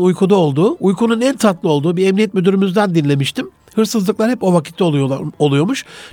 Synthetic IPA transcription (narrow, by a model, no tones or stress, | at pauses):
ujkʰud̪ao̞lˠd̪uːujkʰununænt̪ʰat̪lˠɯo̞lˠd̪uːbiɛmnijɛt̪myd̪yɾymyzd̪ænd̪inlʲe̞miʃt̪ʰim | hɯɾsɯzlˠɯklˠaɾhɛpo̞vakʰit̪ʰlʲɛoolˠujo̞ɾmuʃ